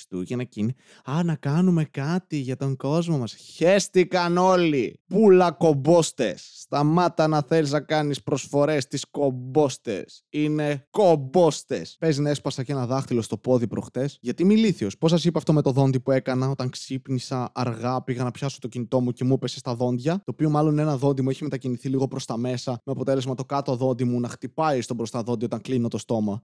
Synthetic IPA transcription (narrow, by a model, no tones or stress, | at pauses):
st̪uʝɐnɐcini | ɐnɐkɐnume̞kɐt̪iʝɐt̪o̞ŋɡo̞zmo̞mɐsçest̪ikɐno̞lipulɐko̞bo̞st̪e̞sːt̪ɐmɐt̪ɐnɐθe̞liznɐkɐnispɾosfo̞ɾe̞st̪isko̞bo̞st̪e̞̰sine̞kobost̪e̞̰spe̞zinɐespɐsɐce̞nɐðɐxt̪ilo̞st̪o̞po̞ðipɾo̞̰xt̪e̞sʝɐt̪imiliθio̞spo̞s̬ɐsipɐft̪ome̞t̪o̞ðo̞nd̪ipue̞kɐnɐo̞t̪ɐŋksipnisɐːɾɣɐpiɣɐnɐpçɐsot̪o̞cinit̪o̞mucemupe̞se̞st̪ɐðo̞ndʝɐt̪o̞ːpio̞mɐloninenɐðo̞nd̪imueçime̞t̪ɐciniθiliɣo̞pɾo̞st̪ɐme̞sɐmeɐpo̞t̪e̞lezmɐt̪o̞kɐt̪oðo̞nd̪imunɐxt̪ipɐist̪o̞bɾost̪ɐðo̞nd̪iot̪ɐŋklino̞t̪o̞st̪o̞mɐ